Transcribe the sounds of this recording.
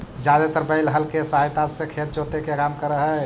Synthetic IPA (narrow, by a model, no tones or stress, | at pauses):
d͡ʒad̪et̪əɾbəɪlɦəlkesaɦjt̪asẽkʰet̪̚d͡ʒot̪ekekamkəɾəɦə